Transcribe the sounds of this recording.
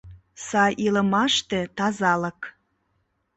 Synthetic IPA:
sɑjʔiləmɑʃt̪et̪ɑzɑlək

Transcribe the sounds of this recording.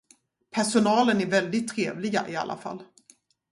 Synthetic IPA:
pʰæʂʊnɑːlənæɾvɛld̪ɪt̪ʰːɾeːvlɪɡa̰ʔɪa̰lʔa̰fa̰lː

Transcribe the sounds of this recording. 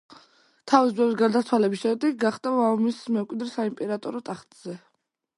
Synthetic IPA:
t̪ʰavisbɛvisɡaɾd̪at̪sʰwalɛbisʃɛd̪ɛk̚ʰɡaχt̪ʼavaɔmismɛkʼwid̪ɾsaimpʼɛɾat̪ʼɔɾɔt̪ʼaχt̪ʼz̥ɛ

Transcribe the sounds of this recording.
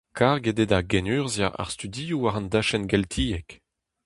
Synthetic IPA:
kaʁɡed̪edaɡɛnyːʁzja̰a̰ʁst̪yd̪ijuaʁɑ̃nd̪aʃɛnɡɛlt̪ʰiːɛk

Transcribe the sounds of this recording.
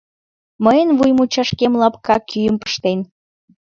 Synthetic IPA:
məjənvujmut͡ɕɑʃkemlɑpkɑkʰyjəmpə̥ʃt̪en

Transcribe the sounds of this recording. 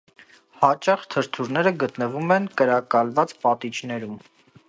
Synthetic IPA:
hɑt͡ʃɑχt̪ʰəɾt̪ʰuɾnɛɾəɡət̪nəvumɛnkəɾɑkɑlvɑt͡spɑt̪it͡ʃnɛɾum

